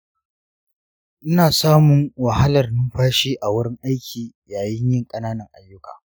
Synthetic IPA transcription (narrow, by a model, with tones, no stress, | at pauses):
ʔɪ˦naː˨saː˦mʊ˨ŋwɐ˨ha˦lɐ˨rnʊ˦mɸaː˦ʃiː˦ʔa˨wʊ˦ɽɪ˦ŋʔa˦jkʲʰiː˨jaː˨jɪ˦ɲjɪ˦˨ŋkʼɐ˦naː˦nɐ˨ŋʔa˨jːʊ˦ka̰ː˨